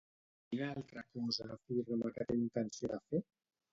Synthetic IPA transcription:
kinaalˠt̪ɾakɔzafiɾnəmakɛt̪aint̪ənsioðafe

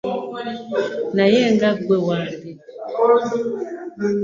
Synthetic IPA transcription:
najɛŋɡaɡwewadi

